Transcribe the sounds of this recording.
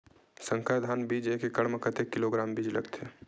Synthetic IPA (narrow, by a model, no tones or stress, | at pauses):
sə̃ŋkʰad̪ʱaːnbid͡ʒeːkekəɽməkət̪ekːiloɡɾaːmbiːd͡ʒləɡt̪ʰe